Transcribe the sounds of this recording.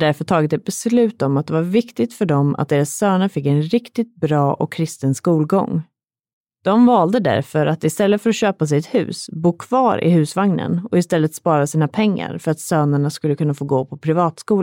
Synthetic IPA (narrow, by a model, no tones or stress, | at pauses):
d̪æɾfœt̪ʰɑːɡɪt̪ɛt̪̚bɛslʉ̟ːt̪ɔmat̪̚d̪ɛvaɾvɪkt̪ɪɡ̚t̪fœɖɔmʔa̰t̪̚d̪eːɾasːøːnəɾfɪkːɛnɾɪkt̪ɪt̪̚bɾɑːʔɔ̰kʰːɾɪst̪ənskuːlɡɔ̰ŋː | d̪̥ɔmvɑːld̪əd̪æ̰ɾfœɾat̪ɪst̪ɛlːət̪fœɾaɕøːpas̬ɛɪjɛt̪hʉ̟̰ːsbuːkʰvɑːɾɪ̰hʉ̟ːsvaŋnə̰nɔɪst̪ɛlːət̪spɑːɾasiːnapʰɛŋːa̰ɾfœɾat̪søːnəɳaskɵlːəkʰɵnːafoːɡoːpʰɔpʰɾɪvɑːt̪skuːl